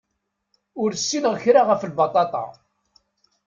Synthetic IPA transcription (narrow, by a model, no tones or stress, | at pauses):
ʊɾsːinəʁəçɾaʁəfəlbɑt̪ˤɑt̪ˤɑ̰